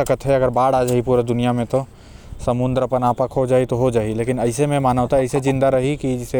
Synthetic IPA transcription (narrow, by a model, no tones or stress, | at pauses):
əkət̪ɦɛɐɡəɾbaːɽaːd͡ʒaːipuːɾed̪ʊnijamẽt̪o | sɐmʊ̃nd̪ɾəpənaːpəkʰɦod͡ʒaːit̪oɦod͡ʒaːileːkɪnɐɪsemẽmaːnaːt̪aɐɪsed͡ʒɪ̃nd̪aɾɐɦikid͡ʒɪse